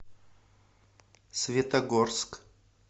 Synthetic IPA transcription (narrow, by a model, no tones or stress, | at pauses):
svʲet̪ɐɡorsk